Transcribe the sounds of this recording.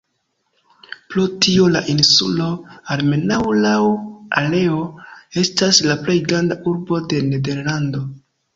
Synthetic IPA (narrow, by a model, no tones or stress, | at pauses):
plutio̞laʔinsṵlo̞alme̞nawlawa̰le̞o̞e̞staslaple̞jɡɾandaʔuɾbo̞de̞ne̞de̞ɾlando̞